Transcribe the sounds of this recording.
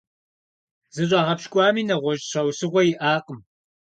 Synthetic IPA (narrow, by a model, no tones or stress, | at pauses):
zɨɕʼɑːʁɐpʃkʷʼɑːmiːnɐʁʷɔʒɕɐwsɨʁʷɔjɪʔaːqʼəm